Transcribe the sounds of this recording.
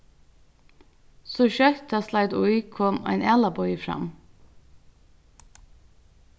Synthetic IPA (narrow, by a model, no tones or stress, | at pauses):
soːʃœɾt̪ʰɑslɑɪd̪ʊʏkʰɔmʔæ̰ɪnʔælɑbɔʏfɾɑ̰m